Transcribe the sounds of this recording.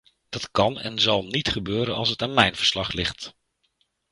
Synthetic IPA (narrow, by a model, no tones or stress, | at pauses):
d̥ɑtkɑnɛ̰nzɑlˠnitχəbøːɾənɑ̰lˠsətaːnmɛjnv̥əɹslɑχlɪχt